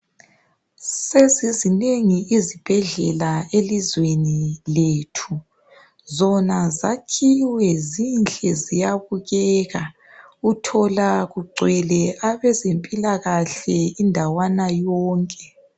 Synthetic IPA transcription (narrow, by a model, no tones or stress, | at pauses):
ssezizineŋiizib̥ʱɛɮɛlaelizwenileːtʰu | zɔnazakʰiwɛzint͡ɬʼɛzijaβuɣɛːɣa | utʰɔlaɣuɡ͡ǀʱwɛlɛaβɛzempʼilaɣaɬɛindʱawanajɔːŋkʼɛ